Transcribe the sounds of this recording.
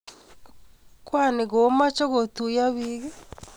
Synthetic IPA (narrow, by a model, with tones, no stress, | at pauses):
kwa˦˨ne˨ɡo˨˦ma˦t͡ʃo˦ɡo˨t̪u˨ja˦βi˦ɡe˦